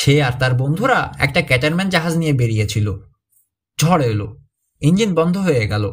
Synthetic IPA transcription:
ʃeaɾt̪aɾbond̪ʱuɾaɛ̰k̚ʈakɛʈaɾmɛnd͡ʑaɦad͡ʑnijebeɾijet͡ɕʰilo | d͡ʑʱɔɽelo | ind͡ʑinbɔnd̪ʱoɦojeɡɛlo̰

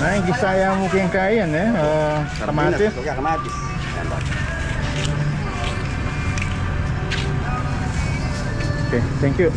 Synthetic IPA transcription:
naɪŋkisajamukeŋkajɛnɛə | kəmat͡ʃɪs | oket̪ʰɛŋkju

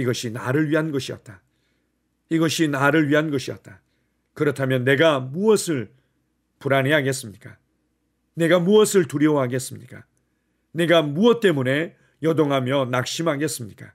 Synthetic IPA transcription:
iɡʌɕʰinaɾɯɭɥiɦanɡʌɕʰiʌ̰t̚t͈a | iɡʌɕʰinaɾɯɭɥiɦanɡʌɕʰiʌ̰t̚t͈a | kɯɾʌtʰamjʌnːe̞ɡamuʌsʰɯɭ | puɾanɦeɦaɡe̞s͈ɯmɲik͈a | ne̞ɡamuʌsʰɯɭtuɾjʌwɦaɡe̞s͈ɯmɲik͈a | ne̞ɡamuʌt̚t͈e̞mune̞ | jʌdoŋɦamjʌnak̚ɕ͈imɦaɡe̞s͈ɯmɲik͈a

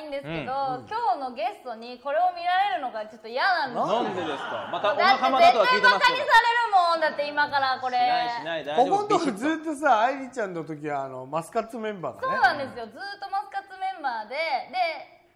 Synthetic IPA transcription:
ĩnd̪e̞sɨ̥ked̪o̞kʲo̞ːno̞ɡe̞sɨ̥t̪o̞ɲ̟iko̞ɾe̞o̞mʲiɾaɾe̞ɾɯ̟no̞ɡat͡ɕo̞t̪ːo̞ijanãnd̪oeskamad̪atezet̪abakaɲ̟isaɾe̞ɾɯ̟mõnd̪at̪ːe̞imakaɾako̞ɾe̞ | okõnt̪okɯzɨːt̪ːos̬aːiɾʲit͡ɕãnnot̪o̞k̬ʲiβaːno̞̰masɨ̥kat͡sɨmẽ̞mba̰ːd̪a̰so̞ːeːnãnd̪e̞sɨjo̞zɨːt̪ːo̞masɨ̥kat͡sɨmẽ̞mbaːd̪e̞d̪e̞

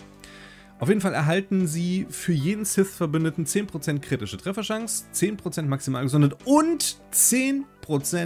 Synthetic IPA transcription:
ʔaʊfjeːdn̩falɛɐɦaltn̩ziːfyːɐjeːdn̩sɪθfɛɐbʏndətn̩t͡seːnpʁ̥ot͡sɛnt̚kʁ̥itɪʃətʁ̥ɛfɐʃaŋst͡seːnpʁ̥ot͡sɛntmaksimaːlɡəzɔndətʊntt͡seːnpʁ̥ot͡sɛ

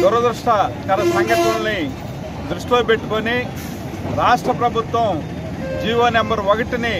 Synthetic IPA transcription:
d̪uɾɐd̪ɾuʂʈɐkɐnɐsɐŋɡɐʈɐɳɐlni | d̪ɾuʂʈlobeʈːukoːni | ɾaːʂʈɾɐpɾɐbʱut̪wɐm | d͡ʒiːʋɐnɛmbɐɾʋɐɡɐʈini

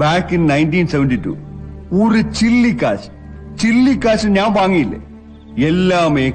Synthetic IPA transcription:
baːkːinnɐjntiːnseʋɐnditṵː | orɨt͡ɕilːikːaːɕ | t͡ɕilːikːaːɕɨɲaːmbaːŋːijilːɐ̰ | elːaːmeː

